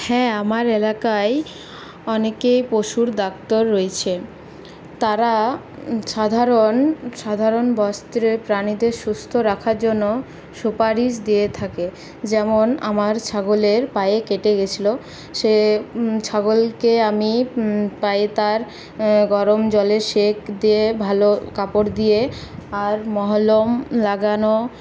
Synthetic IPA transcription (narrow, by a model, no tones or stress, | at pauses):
hɛamaɾelakae | ɔnekejpoʃuɾd̪ak̚t̪oɾːoet͡ɕʰe | t̪aɾa | ʃad̪ʱaɾonʃad̪ʱaɾonbɔst̪ɾepɾanid̪eɾʃust̪ʰoɾakʰaɾd͡ʑonːo | ʃupaɾiʃ̬d̪iet̪ʰake | d͡ʑɛmonamaɾt͡ɕʰaɡoleɾpajekeʈeɡet͡ɕʰilo | ʃet͡ɕʰaɡolkeamipaet̪aɾ | ɡɔɾomd͡ʑɔleɾʃekd̪iebʱalokapoɾd̪ieaɾmɔɦolomlaɡano